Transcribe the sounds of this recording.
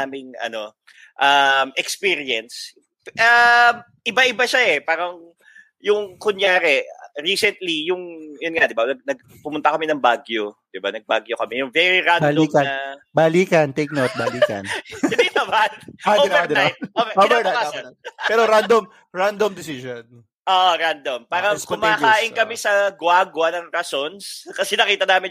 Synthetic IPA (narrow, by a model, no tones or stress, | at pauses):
aːmɪŋʔɐ̰no̞ | ʔɐmʔɛkspiːɾɪɛns | ʔɐm | ʔɪbaʔɪbaʃaʔɛpaːɾɐŋ | jʊŋkʊnjaːɾɛɹiːsɛnt̪lijʊŋjʊnŋad̪ɪbanɐɡ̚nɐɡ̚ | pʊmʊnt̪ɐkɐmɛnɐŋbaːɡjod̪̥ɪbanɐɡ̚baːɡjokɐmɛjʊŋvɛɹiɾanbalomkɐnɐbɐliːkɐnt̪ek̚not̪̚baliːkɐ̰nɪnd̪iʔ̪ɐbaoɛd̪ajt̪̚ʔovɛovɛnajppɛːɾoɾand̪om | ɹand̪omd̪ɪsison | ʔoʔɾand̪ompaːɾɐkʊmaːkaːʔɪŋkɐmɛsɐɡwaːɡwɐnɐŋɾɐsonskɐsɛnɐkiːt̪ɐnaːmɪn